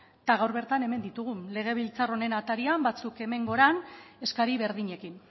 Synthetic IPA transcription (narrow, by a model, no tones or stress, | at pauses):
t̪aɣ̞awɾβe̞ɾt̪ane̞me̞nd̪it̪uɣ̞unle̞ɣ̞e̞β̞ilt͡saro̞ne̞nat̪aɾiambat͡suke̞me̞ŋɡo̞ɾane̞skaɾiβe̞ɾðiɲe̞kin